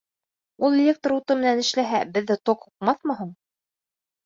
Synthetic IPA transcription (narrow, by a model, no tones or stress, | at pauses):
ulˠlʲek̚t̪rɾut̪ɤmɘ̆nænɘ̆ʃlæɦæbɘ̆ðːæt̪oqhuq̚mɑθmɤ̆huɴ